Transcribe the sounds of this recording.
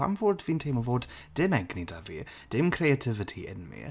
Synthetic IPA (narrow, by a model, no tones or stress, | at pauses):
a̰mvɔːɹdviːntʰeːməvoːdd̥ɪmɛɡnidavḭ | d̥ɪmkʰɾeatʰɪvətʰiʔɪ̰nmḭ